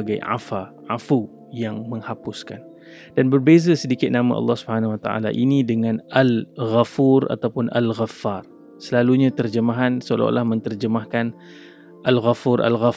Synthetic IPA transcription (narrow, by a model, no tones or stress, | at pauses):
ɡajʕa̰fa | ʕafu | jaŋməŋhapʊskan | danbərbezəsədikɪt̪̚nama̰ʔɑ̰lːɑhsubəhanawat̪a̰ʔa̰la̰ʔinidəŋãnalɣafura̰t̪awpʊna̰lɣafːar | səlaluɲat̪ərd͡ʒəmaɦansəo̰la̰lahmə̃nt̪ərd͡ʒəmahkan | ʔalɣafurʔa̰lɣa